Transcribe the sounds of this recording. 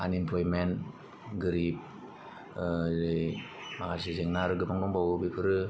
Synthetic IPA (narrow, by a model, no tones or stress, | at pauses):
a̰nimpʰlɔjmen | ɡɯɾip̚ | ɾɯjmakasizeŋnaɾɯɡɯpaŋdɔŋbawɯbipʰɯɾɯ